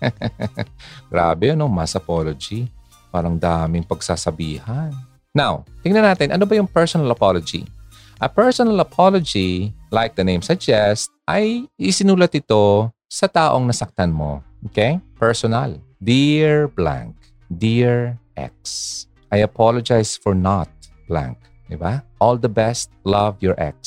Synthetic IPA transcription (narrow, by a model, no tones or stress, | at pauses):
ɡ̥ɾa̰ːbɛjonomasɐpolod͡ʒi | paːɾɐŋd̪aːmɪŋpɐɡsaːsɐbiːhɐnː | awt̪ɪŋnɐnaːt̪ɪnʔɐ̰nobɐjʊŋpɛɹsonɐlɐpalod͡ʒḭ | ʔɐpɛɹsonɐlɐpʰolod͡ʒilajk̚d̪ɐnejmsɐd͡ʒɛst̪̚ʔɐjʔɪsɪnuːlɐt̪ɪt̪osɐt̪aːʔoŋnɐsɐk̚t̪anmo̰ʔoːkejpɛɹsɔna̰ld̪iɹblã̰ŋk̚ | d̪iɹʔɛ̰k̚s | ʔɐjɐpʰalod͡ʒajsfɔɹnat̪̚b̥lã̰ŋk̚ | d̪ɪbaʔɔld̪ɐbɛst̪̚lɐvjɔɹʔɛ̰k̚s